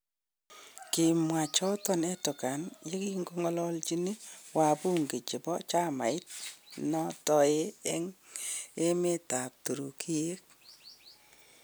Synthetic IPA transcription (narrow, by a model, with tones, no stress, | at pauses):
kɪ˨mwa˨t͡ʃɔ˦tɔ˦nɛ˦tʊ˨ka˨nje˦ki˦ŋɡo˦ŋɔ˦lɔ˦lt͡ʃi˦ni˦wa˨pu˦ŋɡe˨t͡ʃe˨pɔ̰˦t͡ʃa˦ma̰˨ɪ˦t̚nɔ˦tɔ˨e˦ɛ˦ŋ | e˦me˦ta˨p̚tu˨ɾu˨kʰi˦e˦k̚